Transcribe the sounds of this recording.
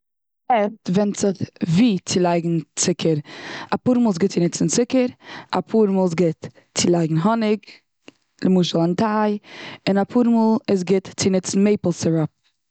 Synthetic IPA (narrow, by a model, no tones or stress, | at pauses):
ɛftvɛnt͡sɪχviːt͡sɪlˠaɪɡŋ̩t͡sɪkʰəɾapuːɾmuːlˠsɡɪt̚t͡sɪnɪt͡sn̩t͡sɪkəɾa̰pʰuːɾmuːlˠs̬ɡɪt | t͡sɪlˠaɪɡŋ̩ɦɔnɪk | lɪmuːʃəlˠantʰaɪɪnapʰuːɾmuːlˠɪs̬ɡɪtt͡sɪnɪt͡sn̩meɪpl̩ˠsɪɹɔp̚